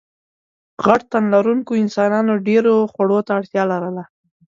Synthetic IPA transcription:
ɣaʈt̪anlaɾuŋkoɪnsɑnɑnoɖeɾoxwaɽot̪aːɽt̪jɑlaɾəla

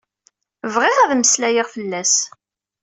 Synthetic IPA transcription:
vʁɪʁæðməslæjiʁfəlːæs

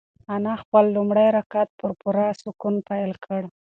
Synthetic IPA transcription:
anɑxpəlːumɽajɾakat̪̚pəɾpʊɾɑsʊkunpajlkʰəɽ

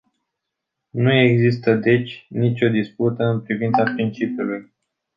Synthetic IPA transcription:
nueɡzist̪əd̪e̞t͡ʃʲnit͡ʃʲo̞d̪isput̪əɨnpɾivint̪sapɾint͡ʃipjuluj

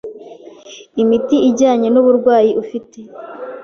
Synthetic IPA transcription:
imitiiɟaːɲe̞nuβuɾɡwaːjiʔufite̞

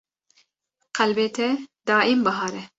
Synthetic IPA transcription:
qʰɛlbeːt̪ʰɛd̪ɑːʔimbɐɦɑːɾɛ

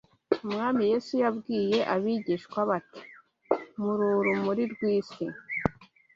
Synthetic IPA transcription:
umŋaːmije̞ːsujabɡiːje̞ʔaβiɟiʃkwaβati̥ | muɾuɾumuɾiɾɡwiːsi

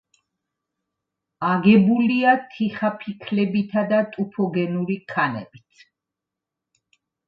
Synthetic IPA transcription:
aɡɛbuliat̪ʰiχapʰikʰlɛbit̪ʰad̪at̪ʼupʰɔɡɛnuɾikʰanɛ̰bit̪sʰ

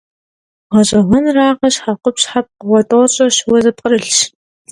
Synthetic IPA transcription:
ʁɐɕʼɐʁʷʊnraːʁɐɕħaqʷʊpɕħap̚qəwɔtʼoːɕʼɐʃwɐzɨp̚ʼqərɨɬʃ

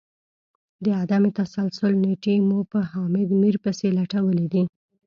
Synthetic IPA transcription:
d̪əad̪amet̪asalsʊlneʈemupəhɑmɪd̪miɾpəselaʈawəlid̪i

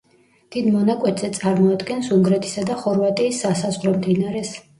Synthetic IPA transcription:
d̪̥id̪mɔnakʼwɛt̪ʰzɛt̪sʼaɾmɔad̪ɡɛnsuŋɡɾɛt̪ʰi̥sad̪aχɔɾvat̪ʼiːsːasazʁɾɔmd̪inaɾɛs

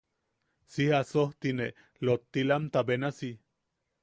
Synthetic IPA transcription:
sihasoht̪ine | lot̪ːilamt̪abenasi

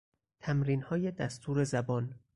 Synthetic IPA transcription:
t̪ʰæmɾiːnhɒːje̞d̪æst̪ʰuːɾe̞zæbɒːn

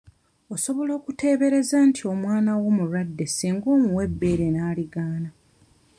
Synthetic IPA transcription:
o̞so̞βo̞lo̞ːkute̞ːβe̞ɾe̞zaːntʰio̞mwaːnawo̞muɾwadːe̞siːŋɡo̞ːmuwe̞bːe̞ːɾe̞naːliɡaːna

